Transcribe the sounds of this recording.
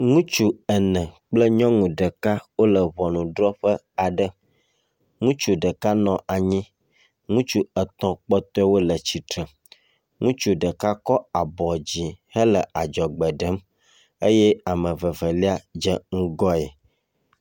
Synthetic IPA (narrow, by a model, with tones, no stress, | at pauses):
ŋũ˦t͡ʃu˦ə˨nɛ̃˨k͡plə˦ɲɔ̃˦ŋũ˨ɖə˨ka˦wo˦lə˨βɔ˨nũ˨ɖɾɔ˦ɸə˦ | a˨ɖə˦ | ŋũ˦t͡ʃu˨ɖə˨ka˦nɔ̃˨ʔa˨ɲĩ˦ | ŋũ˦t͡ʃu˦ə˨t̪ɔ̃˦k͡pɔ˦t̪ɔ˦ɛ˦wo˦lə˨t͡ɕi˨t̪ɾə˨ | ŋũ˦t͡ʃu˨ɖə˨ka˦kɔ˦a˨bɔ˨d͡ʑi˨hə˦lə˨ʔa˨d͡ʒɔ˨ɡ͡bɛ˨ɖə˨˦m | e˦jɛ˦a˨mə̃˨və˨və˨li˦a˨d͡ʒɛ˦ŋ̩̃˦ɡɔ˦ɛ˨